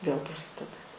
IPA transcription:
ʋʲeːlˠ prɐˈsʲɪdʲɛdɐ

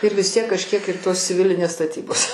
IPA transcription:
ɪr ʋʲɪs ˈtʲiɛk kɐʃʲˈkʲiɛk ɪr ˈtoːs t͡sʲɪˈʋʲɪlʲɪnʲeːs stɐˈtʲiːboːs

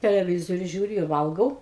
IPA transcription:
tʲɛlʲɛˈʋʲɪzoːrʲʊ ˈʒʲuːrʲʊ ɪr ˈʋɐlˠɡɐʊ

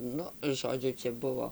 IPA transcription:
ˈnʊ ˈʒoːd͡ʒʲʊ ˈt͡ʃʲɛ ˈbʊʋoː

